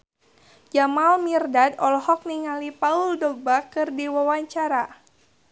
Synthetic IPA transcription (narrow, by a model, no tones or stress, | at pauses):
d͡ʒamalmirdadɔlhɔk̚niŋalipauldɔɡ̚bakɨrdiwawaɲt͡ʃaɾa